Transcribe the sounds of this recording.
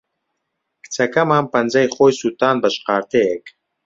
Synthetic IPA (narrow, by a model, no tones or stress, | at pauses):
kʰt͡sʰɐkɐmaːmpɐnzɐjχojsut̪ʰaːnbɐʃqaːɾt̪ʰɛjɛk